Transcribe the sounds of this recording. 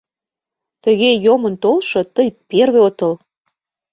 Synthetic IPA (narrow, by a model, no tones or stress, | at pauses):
t̪əɣejomə̆nt̪olʃɤt̪əjperβeot̪ɤ̆l